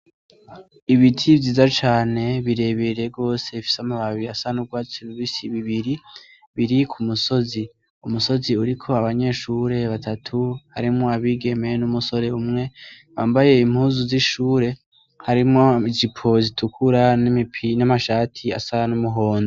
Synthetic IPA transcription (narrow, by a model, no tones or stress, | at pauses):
iβitʰiviːzat͡ʃaːne̞βiɾe̞βeɾe̞ɡo̞ːse̞ifi̥samaβaβiasanub̚ɡwaːt͡suβiβisiβiβiɾi | βiɾikʰumuso̞zi | umuso̞ziuɾikʰo̞aβaɲe̞ʃuɾe̞βatʰatʰuha̰ɾimŋo̞aβiɡe̞me̞numuso̞ɾe̞umŋe̞ | βaːmbaje̞im̥huːzuziʃuːɾe̞ | haɾimŋoizipʰo̞zitʰukʰuɾanimipʰinamaʃaːtʰia̰sanumuɦo̞ːndo